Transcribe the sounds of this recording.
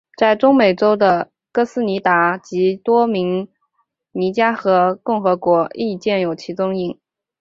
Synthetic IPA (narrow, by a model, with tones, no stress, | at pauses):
t͡sa˥˩ɪʈ͡ʂʊ˥ŋme˨˩ɪʈ͡ʂo˥ʊd̪ə˨ | kɤ˥sɹ̩˥ni˧˥t̪a˧˥t͡ɕi˧˥t̪wɔ˥mi˧˥ŋ | ni˧˥t͡ɕja˥xɤ˧˥kʊ˥˩ŋxɤ˧˥kwɔ˧˥ʔi˥˧t͡ɕjɛ˥˩njo˨˩ʊt͡ɕʰi˧˥t͡sʊ˥ŋi˨˥˩ŋ